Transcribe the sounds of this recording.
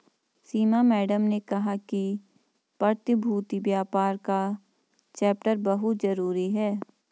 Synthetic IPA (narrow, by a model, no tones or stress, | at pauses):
siːmamɛːɖəmnekɐɦaki | pəɾt̪ɪbʱuːt̪ibjaːpaːɾka | t͡ʃɛːpʈəɾbɐɦʊt̪zɐɾuːɾiɦɛː